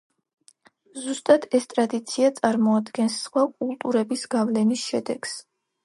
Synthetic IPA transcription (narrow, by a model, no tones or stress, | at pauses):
zust̪ʼad̪ɛst̪ʼɾad̪it̪sʰiat̪sʼaɾmɔad̪ɡɛnsχwakʼulˠt̪ʼuɾɛbisɡavlɛnisʃɛd̪ɛɡ̥s